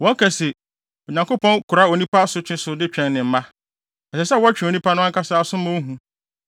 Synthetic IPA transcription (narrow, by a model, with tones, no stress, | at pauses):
wɔ̃˦kʰæ˨se˨ | ɔ˨ɲã˨ŋkʊ˦pʰɔ̃˦nkʰʊ˨ɾa˦o˨nĩ˦pʰa˦sʊ˦t͡ɕʰᶣɪ̃˦sʊ˨dɪ˦t͡ɕᶣɛ̃˦nnɪ̃˨m̩˦mã˦ | ɛ˨sɛ˨sɛ˦˨wɔ˦t͡ɕᶣɪ̃˨o˨nĩ˦pʰa˦nʊ̃˦ã˦ŋ˦kʰa˦saː˦sʊ̃˦mʊ̃˦ɦũ˦